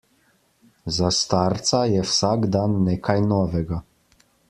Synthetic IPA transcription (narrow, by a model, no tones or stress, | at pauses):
zast̪aɾt̪sajɛwsaɡd̪anːeːkʰajnɔːʋɛɡa